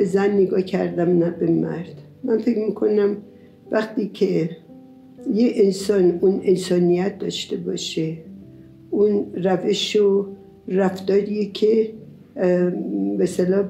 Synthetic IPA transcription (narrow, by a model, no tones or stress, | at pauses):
b̥ezænːeɡɒːcʰæ̰ɾd̪æmnæbemæ̰ɾd̪̥ | mænfekmiːkʰo̞næm | væxt̪iːcʰe | jeensɒːnunensɒːnijæt̪̚d̪ɒːʃt̪e̞bɒ̰ːʃe | ʔunræveʃo | ræfd̪̥ɒːɾiekʰe | beselɒː